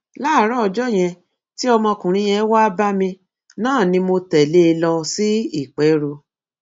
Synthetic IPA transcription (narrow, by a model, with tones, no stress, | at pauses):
la˦˨˦ɾɔ˦ɔ˧d͡ʒɔ˦˨j̃ɛ̃˧ | ti˦ɔ˧mɔ̃˧kũ˨ɾ̃ĩ˧˦j̃ɛ̃˧˦wa˦ba˦mĩ˧ | nãː˦˨nĩ˧mo˧tɛ˨le˦˧lɔ˧si˦i˦˨k͡pɛ˨˦ɾo˧